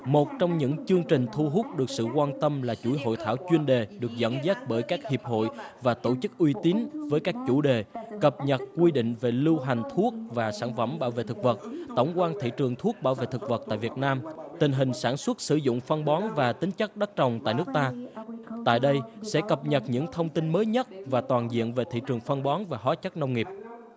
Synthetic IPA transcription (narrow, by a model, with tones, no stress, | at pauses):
mo˨˩t̚t͡ɕɔ˧wŋ͡mɲɨ̰˧˥ŋt͡ɕɨ˧əŋt͡ɕï˨˩ŋ̟t̪ʰu˧ɦʊ˦˥k͡p̚ɗɨ˨˩ək̚sɨ̰˧˨kwaː˧nt̪ə˧mlaː˨˩t͡ɕu˧˩˦jɦo̰˧˨jt̪ʰaː˧˩wt͡ɕwi˧ənɗe˨˩ɗɨ˨˩ək̚zə̰˧˥nzaː˦˥t̚ɓəː˧˩jkaː˦˥k̚hi˨˩əp̚ɦo̰˧˨jvaː˨˩t̪o˧˩t͡ɕɨ˦˥k̚ʔwi˧t̪i˨˦nvəː˨˦jkaː˦˥k̚t͡ɕu˧˩ɗe˨˩kə˨˩p̚ɲə˨˩t̚kwi˧ɗḭ̈˧˨ŋ̟ve˨˩lɨ˧wɦa˨˩ŋ̟t̪ʰu˦˥ək̚vaː˨˩saː˧˩nfə̰˧˩mɓaː˧˩wvḛ˧˨t̪ʰɨ˨˩k̚və˨˩t̚t̪ə˧˩wŋ͡mkwaː˧nt̪ʰḭ˧˨t͡ɕɨ˨˩əŋt̪ʰu˦˥ək̚ɓaː˧˩wvḛ˧˨t̪ʰɨ˨˩k̚və˨˩t̚t̪a̰ː˧˨jvi˨˩ət̚naː˧mt̪ï˨˩ŋ̟ɦï˨˩ŋ̟saː˧˩nswə˦˥t̚sɨ˧˩zʊ̰˧˨ŋ͡mfə˧nɓɔ˨˦nvaː˨˩t̪ï˨˦ŋt͡ɕə˦˥k̚ɗə˦˥t̚t͡ɕə˨˩wŋ͡mt̪a̰ː˧˨jnɨ˦˥ək̚t̪aː˧t̪a̰ː˧˨jɗə˧jsɛ̰˧˥kə˨˩p̚ɲə˨˩t̚ɲɨ̰˧˥ŋt̪ʰə˧wŋ͡mt̪i˧nməː˨˦jɲə˦˥t̚vaː˨˩t̪waː˨˩nzḭ˧˨ənve˨˩t̪ʰḭ˧˨t͡ɕɨ˨˩əŋfə˧nɓɔ˨˦nvaː˨˩ɦaː˨˦t͡ɕə˦˥t̚nə˧wŋ͡mŋi˨˩p̚